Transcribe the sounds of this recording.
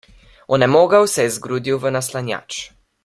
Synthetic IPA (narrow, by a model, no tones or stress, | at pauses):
ɔnɛmoːɡawsɛjɛzɡɾuːd̪iwvənaslanja̰ːt͡ʃ